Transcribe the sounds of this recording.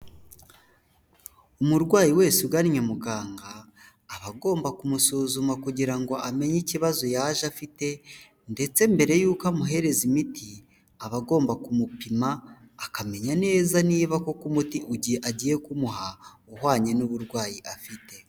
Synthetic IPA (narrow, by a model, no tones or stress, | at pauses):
umuɾɡwaːjiwe̞ːsuɡaɾiɲamuɡaːŋɡaː | βaɡo̞ːmbakumusuːzumakuɟiɾaŋɡo̞ʔame̞ɲiciβazo̞jaʒafite̞ | nde̞t͡se̞mbe̞ɾe̞juːkamuɦe̞ɾe̞zimiti | aβaɡo̞ːmbakumupimaː | kame̞ɲane̞ːzaniːβako̞kumutiʔuɟiʔaɟije̞kumuɦa | uhwaːɲe̞nuβuɾɡwaːjiʔafite̞